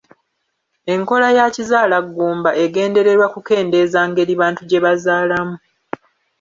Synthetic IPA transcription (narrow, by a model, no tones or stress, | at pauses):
e̞ŋko̞lajacizaːlaɡːuːmbaʔe̞ɡe̞ːnde̞ɾe̞ɾwakuke̞ːnde̞ːzaːŋɡe̞ɾiβaːntuɟe̞βazaːlamu